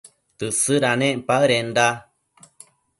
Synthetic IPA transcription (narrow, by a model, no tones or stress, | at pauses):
t̪ɨsɨɾanẽʔmpaɯɾenda